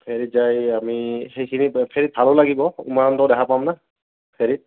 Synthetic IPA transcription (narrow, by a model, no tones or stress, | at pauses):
pʰeɹit̚zajamixejkʰinipʰeɹit̚bʱalolaɡibɔṵmaɹantɔwdɛkʰapamna | pʰeɹit̚